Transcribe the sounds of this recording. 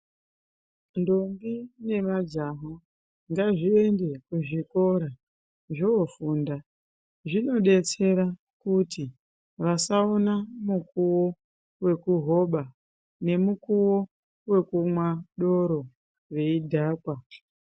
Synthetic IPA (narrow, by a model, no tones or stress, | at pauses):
ndoŋɡine̞mad͡ʒaɦo | ŋɡaʐie̞nde̞kuʐiko̞ɾa | ʐoofuːnda | ʐino̞ɗe̞t͡se̞ɾa | kuti | ʋasaonamukuwo̞ | we̞kuɦo̞ɓa | ne̞mukuwo̞ | we̞kumwaɗo̞ɾo̞ | ʋe̞idʱaːkwa